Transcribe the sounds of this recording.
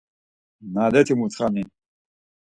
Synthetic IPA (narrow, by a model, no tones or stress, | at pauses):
nad̪ɛt̪ʰimut͡s̪ʰχani